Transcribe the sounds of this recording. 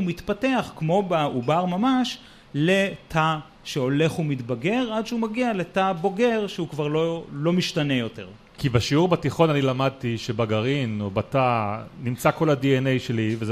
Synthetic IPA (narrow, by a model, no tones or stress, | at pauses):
umitpate̞aχkmo̞baubaʁmamaʃ | le̞tʰa | ʃeo̞le̞χumitbaɡe̞ʁadʃeumaɡiale̞tabo̞ɡe̞ʁʃeukvaʁlolo̞miʃtane̞jo̞te̞̰ʁ | kibaʃiuʁbatiχo̞nanilamad̪̚t̪iʃebaɡaʁinobatanimt͡sako̞ladienejʃelivez